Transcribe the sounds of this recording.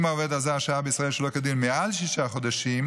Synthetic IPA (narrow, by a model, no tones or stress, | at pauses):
maoved̪azaaʃaabəisʁaelʃəlokad̪ilmealʃiʃaχod̪aʃim